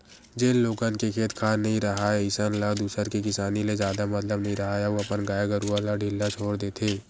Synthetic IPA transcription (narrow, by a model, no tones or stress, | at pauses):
d͡ʒeːlːoːkənkekʰeːt̪kʰaːnɐɦĩɾɐɦaɛɪsənlad̪uːsəɾkekɪsaːnilezjaːd̪amɐt̪ləbnɐɦĩɾɐɦajaoɐpənɡaːjaɡəɾualaɖʱɪlːat͡ʃʰoːɽd̪eːt̪ʰeː